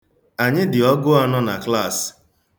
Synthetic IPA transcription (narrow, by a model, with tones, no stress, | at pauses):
a˨ɲɪ˦dɪ˨ɔ˦ɡʊ˦a˦nɔ˦na˨kla˦˨s